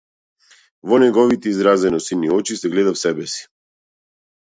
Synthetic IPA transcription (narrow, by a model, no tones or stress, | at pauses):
vɔnɛɡɔvit̪ɛizɾazɛnɔsiniɔt͡ʃisɛɡlɛd̪afsɛbɛsi̥